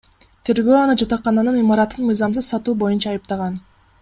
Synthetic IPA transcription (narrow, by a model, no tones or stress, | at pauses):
t̪ʰe̞ɾɡø̞ːɑnɯd͡ʒɑt̪ɑqːɑnɑnɯnimɑɾɑt̪ɯnmɯjzɑmsɯzsɑt̪uːbo̞junt͡ʃɑːjɯp̚t̪ɑʁɑn